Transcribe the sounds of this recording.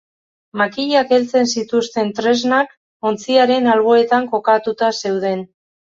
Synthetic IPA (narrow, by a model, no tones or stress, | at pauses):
makiʎake̞lt͡se̞nsit̪ust̪e̞nt̪ɾe̞znak | o̞nt͡siaɾe̞nalɣ̞o̞e̞t̪aŋko̞kat̪ut̪ase̞wð̞e̞n